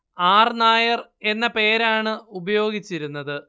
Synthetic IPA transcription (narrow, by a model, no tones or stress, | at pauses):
aːrnaːjɐre̞nːɐpe̞ːɾaːɳɨubɐjo̞ːɡit͡ɕːiɾunːɐðɨ